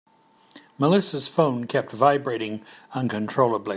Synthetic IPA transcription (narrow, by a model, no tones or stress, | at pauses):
məlɪsəz̥fõʊ̃nkʰɛp̚tvaɪbɹeɪɾɪ̃ŋʌ̃nkʰɨ̃ntʰɹ̥oʊlˠəbli